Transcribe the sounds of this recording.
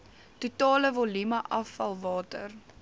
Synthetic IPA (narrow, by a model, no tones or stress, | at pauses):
tutɑːləvolimɐʔɐfɐlˠvɑːtə̰r